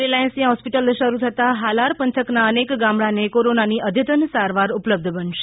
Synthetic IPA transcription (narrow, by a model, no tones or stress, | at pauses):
ɾilaənsĩãɦɔspiʈəlʃəɾut̪ʰət̪aɦalaɾpənt̪ʰəknaənekɡamɭanekoɾonaniʔəd̪ʱjət̪ənsaɾʋaɾʊpləb̚d̪ʱbəɳʃe̥